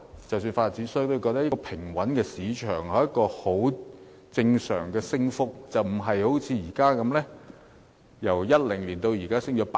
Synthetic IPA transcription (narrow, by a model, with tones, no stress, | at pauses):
t͡sɐ˨ws̬yː˧nfaː˧t̚t͡siː˨˥nsœ˥jt̪o˥˧kɔː˧t̪ɐ˥jkɔ˧pʰɪ˨˩ŋwɐ˨˥nkɛː˧siː˨˥t͡ʃʰœː˨˩ŋɐ˨˧˦jɐ˥kɔː˧ho˨˥w | t͡sɪ˧ŋsœ̰ː˨˩ŋkɛː˧sɪ˥ŋfʊ˥k̚t͡sɐ˨wm̩˨˩ɦɐ˨jho˨˥wt͡sʰiː˨˧jiː˨˩kaː˥kɐ˨˧˥mlɛː˥ | jɐ˨˩wjɐ˥t̚lɪ˨˩ŋliː˨˩nt̪o˧wjiː˨˩kaː˥sɪ˥ŋt͡ʃɔː˨˥pa˧